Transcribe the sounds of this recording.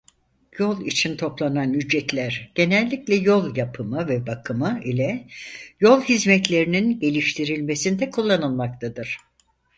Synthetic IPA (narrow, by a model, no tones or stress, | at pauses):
jo̞lˠḭt͡ʃʰint̪ʰo̞plˠananyd͡ʒːɛt̪lʲæɾ̥ɟ̥e̞nɛlʲːiclʲɛjo̞lˠjapʰɯmɯvɛbakʰɯmɯilʲɛjo̞lˠɦizmɛt̪lʲe̞ɾininɟe̞lʲiʃt̪ʰiɾilʲmesind̪ɛkʰulˠːanɯlˠmak̚t̪ʰad̪ɯɾ̥